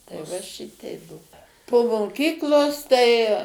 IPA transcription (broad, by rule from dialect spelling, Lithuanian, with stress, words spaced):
tɐɪ ˈʋɐ ˈʃʲɪtʲɛɪ ˈbuɔ poː moːˈkʲiːklˠoːs tɐɪ